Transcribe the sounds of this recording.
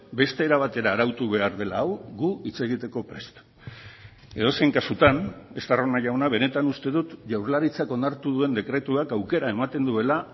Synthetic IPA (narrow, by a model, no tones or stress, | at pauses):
be̞st̪e̞ːɾaβat̪e̞ɾaːɾawt̪uβe̞aɾðe̞laːwɣuit͡se̞ɣ̞it̪e̞ko̞pɾest̪ | e̞̰ð̞oseŋkasut̪ane̞st̪aronaʝawnaβ̞e̞ne̞t̪anust̪e̞ðut̪ʝawɾlaɾit͡sako̞nd̪aɾt̪uðue̞nd̪ekɾe̞t̪uakawke̞ɾae̞mat̪e̞nd̪ue̞la